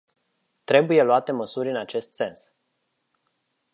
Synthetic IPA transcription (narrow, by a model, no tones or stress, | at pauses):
t̪ɾe̞buje̞luat̪e̞məsurʲɨnat͡ʃe̞st̪se̞ns